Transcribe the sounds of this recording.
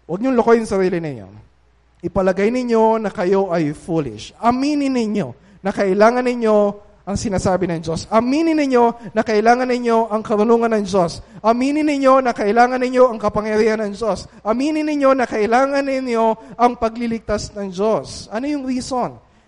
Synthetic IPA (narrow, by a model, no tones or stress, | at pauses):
wɐɡ̚ɲʊŋlokojʊŋsɐɾiːlɪnɐ̰jo̰n | ʔɪpɐlɐɡajnɪɲo̞nɐkɐjo̞ʔɐjfuːlɪ̰ʃʔɐmiːnɪnɪɲo̞̰ | nɐkɐʔɪlaːŋɐnːɪɲo̞ | ʔɐŋsɪnaːsaːbɪnɐŋd͡ʒo̞sɐmiːnɪnɪɲo̞nɐkɐʔɪlaːŋɐnɪɲjo̞ʔɐŋkɐɾʊnuːŋɐnɐŋd͡ʒo̞sʔɐmiːnɪnɪɲo̞nɐkɐʔɪlaːŋɐnɪɲo̞ʔɐŋkɐpɐŋjɐɾiːhɐnɐŋd͡ʒo̞s | ʔɐmiːnɪnɪɲjo̞nɐkɐʔɪlaːŋɐnːɪɲjo̞ʔɐŋpɐɡlɪlɪɡ̚t̪asnɐŋd͡ʒo̞sʔɐnojʊŋɾiːso̞n